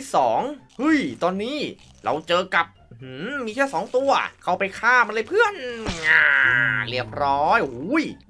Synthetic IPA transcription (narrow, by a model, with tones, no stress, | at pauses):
sɔː˩˦ŋhɯ˦˥˩jt̪ɔː˧nːiː˦˥˩ | ɾa̰˧wt͡ɕɤː˧ka˨˩p̚hɯː˨˩miː˧kʰɛː˥˩sɔː˩˦ŋt̪u˧ɐkʰa˥˩wpa˧jkʰaː˥˩mːa˧lɤː˧jpʰɯ˥˩ənaː˧˩li˥˩əp̚ɾɔː˦˥jʔhuː˦˥j